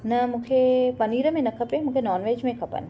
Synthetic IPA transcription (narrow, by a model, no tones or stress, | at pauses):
nɐmũːkʰepɐniːɾəmẽnɐkʰɐpemũːkʰenɔːnʋeːd͡ʒmẽkʰɐpə̰n